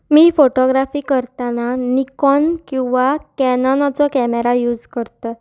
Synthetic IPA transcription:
miːfoʈɔɡɾafiːkəɾt̪ananikɔnkĩw̃ʋakɛnɔnɔt͡sɔkɛmeɾajuːd͡zkəɾt̪ə

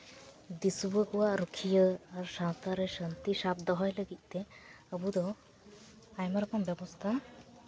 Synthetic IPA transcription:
d̪isubəkuwaɾukʰijəaɾʃãt̪aɾeʃənt̪iʃab̚d̪ɔɦɔjləɡic̪̚ˀt̪e | əbud̪ɔ | ajmaɾɔkɔmbɛbɔst̪ʰa

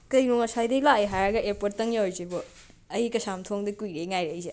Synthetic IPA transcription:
kɐjɾuŋɐsajdɐjlaejɦajaɡɐʔeɾpottɐŋjawjzibɔ | ɐjikɐsamtʰoŋdikujɾejŋajɾejze

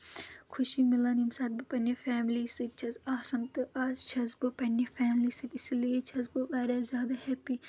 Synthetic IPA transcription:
kʰʊʃimilanimsɐt̪̚bɨpɐnefɛːmliːsɨt͡ʃʰɐzaːsɐnt̪ɨʔaːzt͡ʃʰɐzbɨpɐnefɛːmliːsɨt̪isliet͡ʃʰɐzbɨʋaːɾazʲjaːd̪ɐhɛpiː

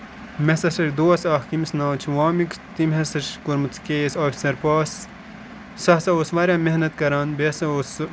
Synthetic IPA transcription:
mesɐsɐɾʲd̪oːɐsaːhkimsnãːt͡ʃʰiʋaːmikt̪imhesɐʃkuɾmut͡s̪ʰkeːsaːfʲi̥sɐɾpaːs | sɐsɐosʋɐːɾʲjaːmehnɐt̪̚kɐɾaːnbesɐos

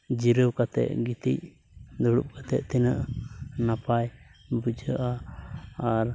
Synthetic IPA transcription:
d͡ʒiɾəwkat̪ɛ̰ʔɡit̪ḭc̚ | d̪ɔɽṵp̚kat̪ɛ̰ʔt̪ɛnəʔnapajbud͡ʒʱəʔaː | ɾ

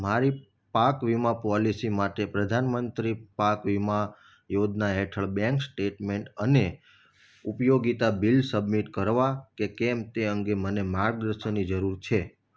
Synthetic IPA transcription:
maɾi | pakʋimapɔlisimaʈepɾəd̪ʱanmənt̪ɾipakʋima | jod͡ʒnaɦɛʈʰəɭbɛ̃ŋksʈeʈmeɳʈəne | upjoɡit̪abilsəbmiʈkəɾʋakekɛmt̪eə̃ŋɡemənemaɾɡ̚d̪ɾəʃənid͡ʒəɾuɾt͡ʃʰe

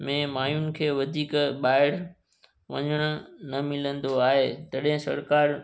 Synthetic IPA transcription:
mẽmaːjʊnɪ̆kʰeːʋɐd̪ʱiːkɓaːɪɽ | ʋɐ̰ɲəɽ̃ʊnɐmɪlə̃nd̪oaːɦeːt̪ɐɗɦɪ̃sɐ̰ɾkaːɾ

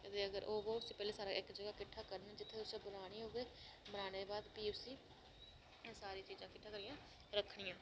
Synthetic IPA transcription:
ət̪eːəɡəɾʔoːʋoːʊsĩːpɛːleːsaːɾaːʔɪkd͡ʒəɡaːkɪʈʰːaːkəɾnaːd͡ʒɪt̪ʰːeːt̪ʊsẽːbʊlaːɽ̃iːɦoːɡeːbənaːned̪eːbaːd̪piːʊsĩː | saːɾiːt͡ʃiːzãːkɪʈʰːãːkəɾijãː | ɾəkʰɽiːãː

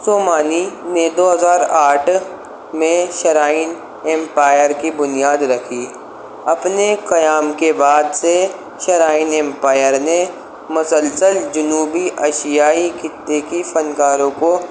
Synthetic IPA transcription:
soːmaːnined̪oːɦɐzaːɾaːʈʰ | mẽʃɐɾaːɪn | ɛ̃mpaːjəɾkibʊnijaːd̪ɾɐkʰi | ɐpnekɐjaːmkebaːd̪se | ʃɐɾaːɪnɛ̃mpaːjəɾne | mʊsəlsəld͡ʒʊnuːbiʔɐʃijaːikɪt̪ːekifɐnkaːɾõko

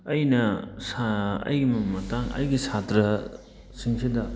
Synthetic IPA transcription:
ɐjnɐsaɐ̰jɡimɐmɐtaŋɐ̰jɡisʰatɾɐ | siŋsʰidɐ

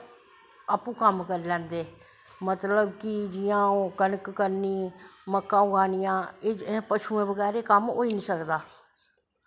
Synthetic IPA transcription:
aːpũːkəmkəɾlɛ̃ːnd̪eː | mət̪ləbkɪd͡ʒɪjãːoːkənəkːəɾniːməkːãːʊɡaːnɪjãːẽːpət͡ʃʰuːẽːbəɡɛːɾeːkəmo̰ːiːnĩːsəkd̪aː

